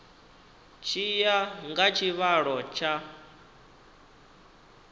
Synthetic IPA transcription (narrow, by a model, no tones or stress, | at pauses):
t͡ʃʰijaŋɡat͡ʃʰiβaɺɔt͡ʃʰa